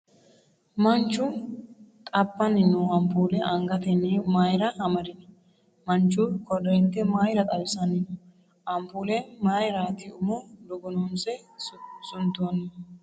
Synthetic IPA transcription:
mɐnt͡ʃːʊ | t̪ʼɐbːɐnɪnːʊɐmpuːlɛʔɐŋɡɐt̪ɛnimaːjɾɐhɐmɐɾɪnɐ | mɐnt͡ʃːukɔdɪnt̪ɛmaːjɾɐt̪ʼɐlsɐnɪnɔ | ʔɐmpuːlɛmaːjɾaːt̪ɪʊmod̪ɔɡɔnoːnsɛsʊnt̪oːnːɐ

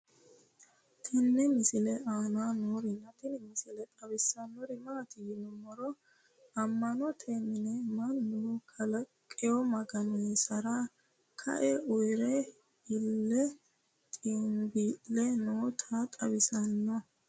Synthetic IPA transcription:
t̪ʰɛnːɛmɪsɪlɛʔaːnaːnoːɾɪnːɐt̪ɪnɪmɪsɪlɛt̪ʼɐβɪsɐnːɔɾɪmaːt̪ɪjɪnʊmɔɾɔ | ɐmːɐnɔt̪ʰemɪnɛmɐnːukʰɐlɐkʼːɪjɔmɐɡɐnɔjsɐɾa | kʰɐ̰ʔɛʔʊjɾɛ | ɪlːɛ | t̪ʼɪmbiːʔːɛnoːt̪ʰat̪ʼɐβɪsɐnːɔ

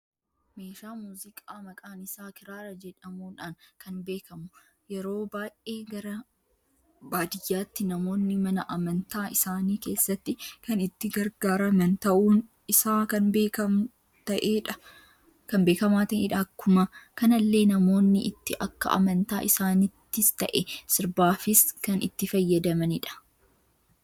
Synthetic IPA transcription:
me̞ːʃaːmuːzɪkʼaːmɐkʼaːnɪsaːkɪɾaːɾɐd͡ʒɛᶑɐmuːᶑaːnkɐnbe̞ːkɐmʊ | jɛɾo̞ːbaːʔe̞ːɡɐɾɐ | baːd̪ɪjːaːt̪ːɪnɐmo̞ːnːɪmɐnɐʔɐmɐnt̪aːʔɪsaːniːke̞ːsːɐt̪ːɪkɐnɪt̪ːɪɡɐɾɡaːɾɐmɐnt̪ɐʔuːn | ɪsaːkɐnbeːkɐm | t̪ɐʔeːᶑɐ | kɐnbe̞ːkɐmaːt̪ɐʔḛːᶑaːkːʊmɐkɐnɐlːe̞ːnɐmo̞ːnːɪʔɪt̪ːɪʔɐkːɐ̰ʔɐ̰mɐnt̪a̰ːʔɪsaːnɪt̪ːɪst̪ɐ̰ʔɛsɪɾbaːfɪskɐnɪ̰t̪ːɪfɐjːɐd̪ɐmɐnɪᶑɐ̥

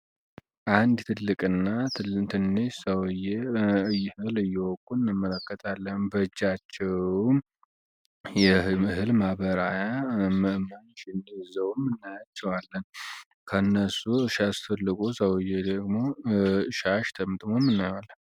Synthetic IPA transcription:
ʔand̪t̪ʰɨlːɨkʼɨnːat̪ʰɨnːɨʃsəwjeɨjɛhɨlɨjːɛwɔkʼːunːɨmːələkːət̪ʼʰalːənnbəd͡ʒːat͡ʃːɛwm | jɛhɨɦɨlmaβəɾajaməʔmaɲʃɪnd̪izəwmːɨnːajat͡ʃːɛwalːən | kʰəɨnːəsuɨʃast̪ʰəlːɨkʼusəwjːed̪əɡmoɨʃaʃt̪ʰəmɨt̪ʼmomːɨnːajwalːə

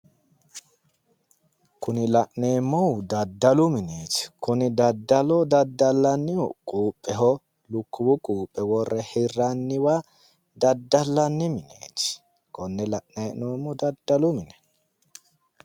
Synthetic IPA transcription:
kʊnɪlɐʔneːmːɔwd̪ɐd̪ːɐlʊmɪneːt͡ʃɪ̥kʊnɪd̪ɐd̪ːɐlɔd̪ɐd̪ːɐlːɐnːɪ̰kʼuːpʼːɛɦɔ | lʊkːʊbʊkʼuːpʼːɛwɔrːɛhɪrːɐnːɪwa | d̪ɐd̪ːɐlːɐnːɪmɪnḛːt͡ʃɪ̥ | kɔnːɛlɐʔneːnoːmːɔd̪ɐd̪ːɐlʊmɪnɛ̥

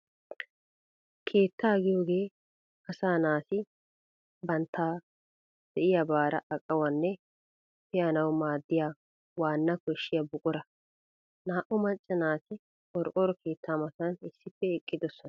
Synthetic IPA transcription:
kʰe̞ːt̪ːaːɡɪjo̞ːɡe̞ː | ɐsaːnaːsɪ | bɐnt̪ʰːaː | d̪̥ɛʔɪjabaːɾɐ̰ʔɐkʼːɐwɐnːɛ | pɪjanɐwmaːd̪ːɪjaː | waːnːɐkɔɪʃːɪjɐbʊkʼʊɾɐ | naːʔʊmɐt͡ʃʼːɛnaːsɪ | ɔɾʔɔɾɔkʰe̞ːt̪ʰːaːmɐt̪ɐnɪsːɪpːɛɪkʼːɪd̪ɔsːɔn

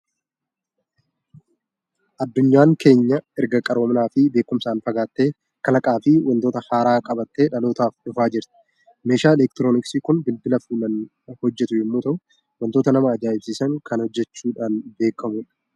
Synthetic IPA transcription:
ʔɐd̪ːʊɲːaːŋke̞ːɲːɐɛɾɡɐkʼɐɾo̞ːmɪnaːfɪbe̞ːkːʊmsaːnfɐɡaːt̪ːe̞ː | kɐlɐkʼaːfɪwʔɐnt̪o̞ːt̪ɐhaːɾaːkʼɐbɐt̪ːe̞ːᶑɐlo̞ːt̪aːfᶑʊfaːd͡ʒɪɾt̪ɪ̥ | me̞ːʃaːɛlɛk̚t̪ɪɾo̞ːnɪksiːkʊnbɪlbɪlɐfuːlɐn | hɔd͡ʒːɛt̪ʊjɛmːoːt̪ɐʔʊ | wɐnt̪oːt̪ɐnɐmaɐd͡ʒaːjɪbsiːsɐŋkɐnhɔd͡ʒːɛt͡ʃːuːᶑaːnbe̞ːkːɐmʊᶑɐ̥

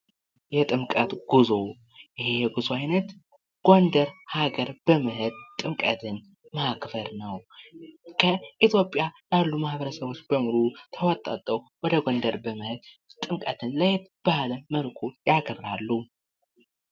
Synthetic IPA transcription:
jɛt̪ʼɨmkʼət̪ɡ̥uzo̞ | jɪhejɛɡuzoajnət̪ | ɡ̥ond̪əɾhaɡəɾb̥əmɨhɨd̪̚t̪ʼɨmkʼət̪ʰɨn | makbəɾnəw | kʰəit̪ʰjo̞pʼːjajalːumahbəɾəsəβo̞t͡ʃːb̥əmuɾut̪ʰəwɔt̪ʼːa̰t̪ʼːəwwɔd̪əɡond̪əɾbəmɨhɨd̪ | t̪ʼɨmkʼət̪ʰɨnləjet̪b̥ahləməlkʰujaɡərːalːu

